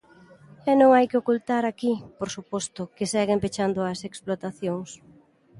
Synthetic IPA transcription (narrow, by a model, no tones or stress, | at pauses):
ɛnõŋajkeokult̪aɾakipoɾsupɔst̪ʊkɪsɛɣempet͡ʃand̪ʊɐseksplot̪aθjoŋs